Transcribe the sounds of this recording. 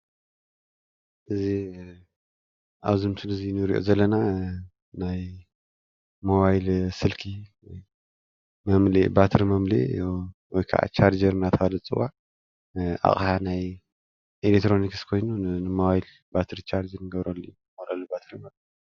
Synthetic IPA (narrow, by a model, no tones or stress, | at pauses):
ʔɨzi | ʔaβzɨmsʰɨlɨzinɨɾḭʔo̰zɐlːɐna | naj | moβajlsɨlkʰi | mɐmlebat̪ʰɨɾimɐmlḛwɔjkʰa̰ʔa̰t͡ʃʰaɾd͡ʒɐɾnat̪ʰɐalɐt͡sʼɨwa | ʔa̰χʼħanaj | ʔelekt̪ɾo̞nikskʰo̞jnunɨmoβajl | bat̪ʰɨɾit͡ʃʰaɾd͡ʒɐɾnɨɡɐβɾolːujːumolalːubat̪ʰɾimɐβl